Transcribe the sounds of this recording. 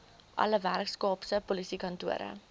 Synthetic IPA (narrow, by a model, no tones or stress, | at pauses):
ʔɐ̰ləværkskɑːpsəpolisikɐntuəɾə̰